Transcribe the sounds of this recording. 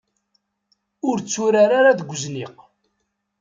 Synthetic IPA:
ʊɾt͡sːuɾaɾaɾaðəɡʷʊzniq

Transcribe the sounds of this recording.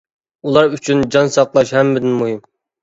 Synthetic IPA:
ulˠɑɾyt͡ʃʰynd͡ʒɑnsɑqlˠɑʃhɛmːɪd̪ɪnmuɦim

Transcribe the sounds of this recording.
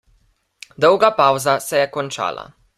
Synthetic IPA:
d̪ɔwɡapawzasɛjɛkɔnt͡ʃa̰ːla̰

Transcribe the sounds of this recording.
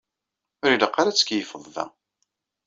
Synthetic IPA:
ʊɾiləqːaɾæt͡sːə̥kjəfəðˤvæ̰

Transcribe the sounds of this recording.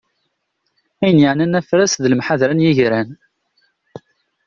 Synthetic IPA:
æjənjəʕnænæfɾæsðəlmħaðɾænjiʝɾæn

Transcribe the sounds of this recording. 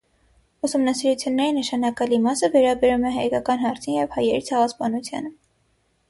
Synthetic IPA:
usumnɑsiɾut͡sʰjunːɛɾinəʃɑnɑkɑlimɑsəvɛɾɑbɛɾumɛɦɑjkɑkɑnɦɑɾt͡sʰijɛvhɑjɛɾit͡sʰɛʁɑspɑnut͡sʰjɑ̰nə

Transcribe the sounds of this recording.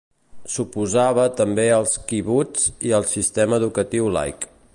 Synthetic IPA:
supuzaβ̞ət̪əmbeəlˠskiβud͡ziəlˠsist̪ɛməːðukət̪iwla̰jk

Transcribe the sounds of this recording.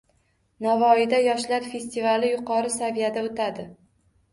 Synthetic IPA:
navɒɪd̪ajɒʃlaɾfe̞st̪ivalɪjʊqʰɒɾɪsavijad̪aot̪ʰad̪ɪ

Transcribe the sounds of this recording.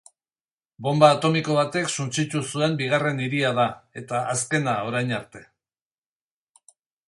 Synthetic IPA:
bo̞mbaːt̪o̞miko̞β̞at̪e̞ksunt͡sit̪usue̞mbiɣ̞are̞niɾiað̞ae̞t̪aʔaske̞nao̞ɾajnaɾt̪e̞̥

